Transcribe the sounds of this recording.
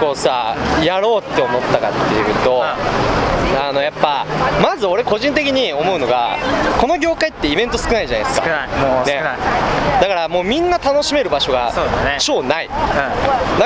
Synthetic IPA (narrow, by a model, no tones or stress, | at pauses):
ko̞ːsajaɾo̞ːt̪ːe̞omo̞t̪ːakat̪ːejɯ̟t̪o̞ | ano̞japːamazɨo̞ɾe̞ko̞ʑĩnt̪̬e̞kʲiɲ̟io̞mo̞ɯ̟no̞ɡa̰ko̞no̞ɡʲo̞ːkait̪ːe̞ibẽ̞nt̪o̞sɨ̥kɯ̟naiʑana̰esɨ̥ka̰nead̪akaɾamo̞ːmʲĩnːat̪ano̞ɕime̞ɾɯ̟baɕo̞ɡa̰soːsneɕo̞ːnai | d̪a